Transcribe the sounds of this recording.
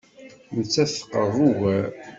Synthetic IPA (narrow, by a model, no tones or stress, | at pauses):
nət͡sːæθqəðˤuɣæ